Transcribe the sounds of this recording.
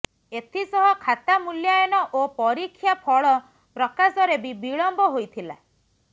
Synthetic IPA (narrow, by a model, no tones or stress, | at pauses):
et̪ʰisɔɦɔkʰat̪amuljajɔnɔʔopɔɾikʰːjapʰɔɭɔ | pɾɔkasɔɾebibiɭɔmbɔɦojt̪ʰila̰